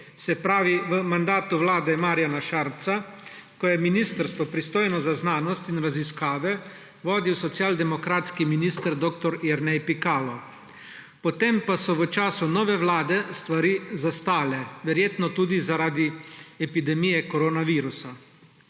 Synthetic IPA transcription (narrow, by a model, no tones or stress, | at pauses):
sɛpɾaːʋiʋəmand̪aːt̪uʋlaːd̪ɛmaːɾjanaʃaːɾt̪sakɔjɛminiːst̪əɾst̪ʋɔpɾist̪oːjnɔzaznaːnɔst̪inɾaziskaːʋɛ | ʋɔːd̪iwsɔt̪sjaːld̪ɛmɔkɾaːt̪skiminiːst̪əɾd̪ɔːkt̪ɔɾiɾnɛjpikaːlɔ | pɔt̪empasɔʋət͡ʃaːsunɔːʋɛʋlaːd̪ɛst̪ʋaɾiːzast̪aːlɛʋɛɾjeːt̪nɔt̪uːd̪izaɾaːd̪iɛpid̪ɛmijɛkɔɾoːnaʋiːɾusa